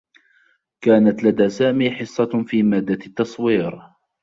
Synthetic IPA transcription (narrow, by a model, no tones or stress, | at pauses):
kaːnat̪lad̪aːsaːmiːħɪsˤːɑfiːmaːd̪ːat̪ːɑsˤwiːɾ